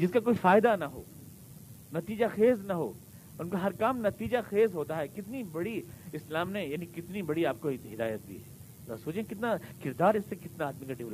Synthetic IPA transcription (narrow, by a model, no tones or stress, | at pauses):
d͡ʒɪskakoːifaːɪd̪anɐɦo̰ː | nɐt̪iːd͡ʒaxeːznɐɦo̰ː | ʊnkaɦɐɾkaːmnɐt̪iːd͡ʒaxeːzɦoːt̪aɦɛkɪt̪nibɐɽiɪslaːmnejaːnikɪt̪nibɐɽiaːp̚koɦiɦɪd̪a̰ːjət̪̚d̪ḭːɛː | a̰soːt͡ʃẽẽkɪt̪nakɪɾd̪aːɾɪsːekɪt̪naaːd̪mikaɖiʋl